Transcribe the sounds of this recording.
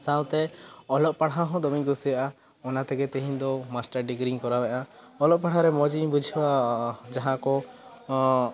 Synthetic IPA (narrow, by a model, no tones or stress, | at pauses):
sawt̪ɛɔlɔʔ̚paɽaɦɔ̃d̪ɔmiŋkusijaʔa | ɔnat̪ɛɡɛt̪ɛɦind̪ɔmasʈaɾɖiɡɾiŋkɔɾabɛʔa | ɔlɔpaɽaɾɛmɔd͡ʒibud͡ʒʱibad͡ʒaɦãkɔ